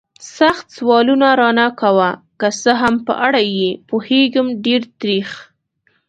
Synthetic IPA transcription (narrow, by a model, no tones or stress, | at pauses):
saxt̪swɑlunaɾɑnakawa | kasəɦampə̰ʔaɽajipoheɡəmɖeɾt̪ɾix